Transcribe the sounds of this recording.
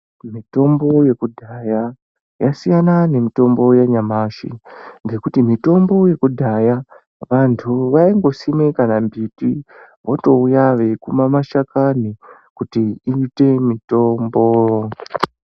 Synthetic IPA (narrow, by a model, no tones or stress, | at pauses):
mito̞mbo̞je̞kudʱaja | jasijanane̞mito̞mbo̞jaɲamaʃḭŋɡe̞kutimito̞mbo̞je̞kudʱaja | ʋantʰuʋaiŋɡo̞simwekanambiti | wʔoto̞ujaʋe̞kumamaʃakani | kutiiːte̞mito̞mbo̞jo